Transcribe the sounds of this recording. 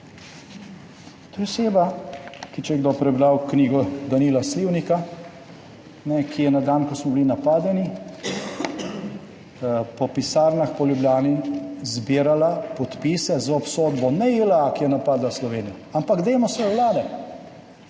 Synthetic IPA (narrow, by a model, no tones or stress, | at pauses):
t̪oseːbakit͡ʃɛjɡd̪opɾɛbɾawkniːɡɔd̪aniːlasliwnika | nɛkijɛnad̪ankɔsmɔbilinapaːd̪ɛni | pɔpisaːɾnaxpɔljubljaːnizbiːɾalapɔt̪pisɛzaɔpsoːd̪bɔnɛilakijɛnapaːd̪laslɔʋeːnija | ampaɡd̪ɛjmɔsɛɔwlaːd̪ɛ